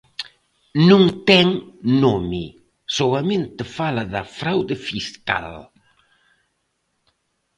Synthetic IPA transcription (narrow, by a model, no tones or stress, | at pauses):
nũŋt̪ɛŋnomi | soɐmẽnt̪ɪfalɐðɐfɾawðɪfiska̰l